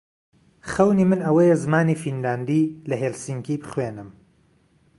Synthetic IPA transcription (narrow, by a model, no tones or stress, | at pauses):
χɐwniːmɨnɐwɐjezɨmaːniːfinlaːnd̪iːlɐɦelsiŋkiːbɨχweːnɨm